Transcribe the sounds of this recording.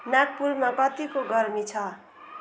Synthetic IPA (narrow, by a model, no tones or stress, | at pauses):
nak̚puɾmakʌt̪ikoɡʌɾmit͡sʰʌ